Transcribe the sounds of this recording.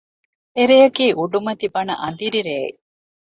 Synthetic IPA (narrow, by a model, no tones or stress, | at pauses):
eɾejɐkiːʔuɖumɐt̪ibɐnɐ̰ʔɐnd̪iɾiɾeːḭ